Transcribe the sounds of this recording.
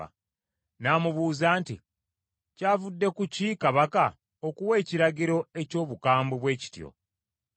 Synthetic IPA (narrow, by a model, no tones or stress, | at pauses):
a̰ | naːmuβuːzaːnti | caːvudːe̞kucikaβaka | okuwe̞ːciɾaɟiɾo̞e̞co̞ːβukaːmboβwe̞ːci̥tjo̰